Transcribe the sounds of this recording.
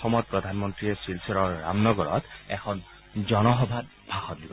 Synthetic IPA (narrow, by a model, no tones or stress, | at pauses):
xɔmɔt̚pɹɔdʱanmɔntɹiɛsilsɛɹɔɹːa̰mnɔɡɔɹɔ̰tɛxʰɔn | zɔnɔxɔbʱat | bʱaxɔt̚dibɔ